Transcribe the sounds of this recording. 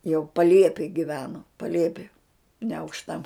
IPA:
jɛʊ pɐˈlʲiɛpʲeːj ɡʲɪˈʋʲæːnoː pɐˈlʲiɛpʲɪ nʲɛɐʊkʃˈtɐ

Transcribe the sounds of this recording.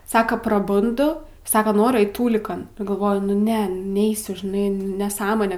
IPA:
ˈsɑːkɐ prɐˈbʊndʊ ˈsɑːkɐ ˈnoːrʲʊ ˈɐɪt ˈtuːlʲɪkɐn nʊ ɡɐlˠˈʋoːjʊ ˈnʲɛ ˈnʲɛɪsʲʊ ʒʲɪˈnɐɪ nʲɛsˈɑːmoːnʲɛ

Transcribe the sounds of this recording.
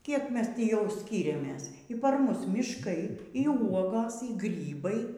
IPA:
ˈkʲiɛk ˈmʲɛs ˈtʲiː jɛʊ ˈsʲkʲiːrʲɛmʲeːs iː ˈpɐr ˈmʊs mʲɪʃˈkɐɪ iː ˈuɔɡoːs iː ˈɡrʲiːbɐɪ

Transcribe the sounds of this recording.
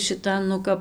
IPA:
ʃʲɪˈtɐn nʊ ˈkɐp

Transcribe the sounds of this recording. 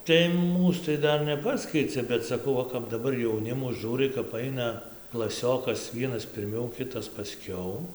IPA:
tɐɪ ˈmuːs tɐɪ ˈdɐr nʲɛˈpɑːsʲkʲɛɪt͡sʲɛ bʲɛt sɐˈkɐʊ ˈʋɐ kɐp dɐˈbɐr jɛʊˈnʲɪmʊ ˈʒʲuːrɐɪ kɐp ˈɐɪnɐ klˠɐˈsʲoːkɐs ˈʋʲiɛnɐs pʲɪrʲˈmʲɛʊ ˈkʲɪtɐs pɐˈsʲkʲɛʊ

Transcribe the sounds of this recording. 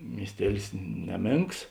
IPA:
mʲiɛsʲˈtʲiɛlʲɪs ˈnʲæːˌmʲeːŋks

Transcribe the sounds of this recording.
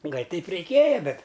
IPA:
ˈɡɐlʲ ˈtʲɛɪp rʲɛɪˈkʲeːjɛ ˈbʲɛt

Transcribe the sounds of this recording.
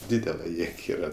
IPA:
ˈdʲiːdʲɛlˠɐ ˈjeːk ˈiːrɐ

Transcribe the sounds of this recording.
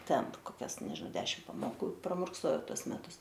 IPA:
ˈtʲɛn ˈtʊ koːˈkʲɛs nʲɛʒʲɪ ˈdʲæːʃʲɪm pɐmoːˈkuː prɐmʊrkˈsoːjɛʊ ˈtuɔs ˈmʲæːtʊs

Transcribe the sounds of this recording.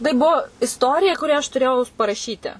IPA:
tɐɪ ˈbuɔ ɪsˈtoːrʲɪjɛ ˈkʊrʲæː ɐʃ tʊˈrʲeːjɛʊ pɐrɐˈʃʲiːtʲɪ

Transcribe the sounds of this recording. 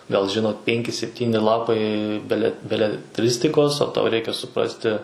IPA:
ɡɐlˠ ˈʒʲɪnoːt ˈpʲɛŋʲkʲɪ sʲɛpʲˈtʲiːnʲɪ ˈlˠɑːpɐɪ ˈbʲæːlʲɛ bʲɛlʲɛˈtʲrʲɪsʲtʲɪkoːs oː tɐʊ rʲɛɪkʲɛ sʊˈprɑːsʲtʲɪ

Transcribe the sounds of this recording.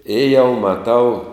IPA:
ɪ jɛʊ mɐˈtɐʊ

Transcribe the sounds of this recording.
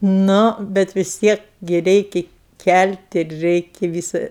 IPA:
ˈnʊ bʲɛt ʋʲɪs ˈtʲiɛk ɡʲɪ ˈrʲɛɪkʲɪ ˈkʲælʲtʲ ɪr ˈrʲɛɪkʲɪ ˈʋʲiːsɐ

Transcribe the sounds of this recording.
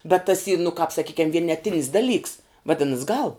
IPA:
bʲɛt tɐs iː nʊ kɑːp sɐˈkʲiːkʲɛm ʋʲiɛnʲɛˈtʲɪnʲɪs dɐˈlʲiːks ʋɐˈdʲɪnɐs ɡɐlˠ

